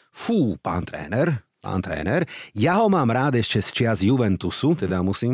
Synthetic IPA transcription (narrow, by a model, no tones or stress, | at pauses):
fuːpa̰ːnt̪ɾɛ̰ːnɛɾpa̰ːnt̪ɾɛ̰ːnɛɾjaɦɔmaːmɾaːd̪ɛʃt͡ʃɛst͡ʃɪazjuʋɛnt̪usut̪ɛd̪amusiːm